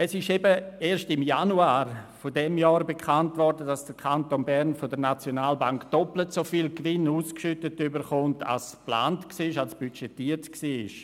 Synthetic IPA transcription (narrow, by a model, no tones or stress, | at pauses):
ɛsɪʃɛbəeːɾʃstɪmjanuaːɾfodɛmjɔːɾbekʰantvɔɾdədasd̥əɾkʰantonbɛɾnfodəɾnat͡sjonaːlbaŋkd̥ɔplətsofiːlkʋɪnuːskʃʏtətybəɾχʊntʰa̰lspla̰ːntksiːɪʃalsb̥yt͡ʃetiːəɾtksiːɪʃ